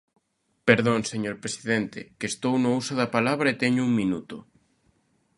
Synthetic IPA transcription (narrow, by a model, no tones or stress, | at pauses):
peɾðõŋseɲoɾpɾesiðɛnt̪ɪkeːst̪ownʊusʊðɐpalaβɾɐet̪ɛɲʊuŋmĩnut̪ʊ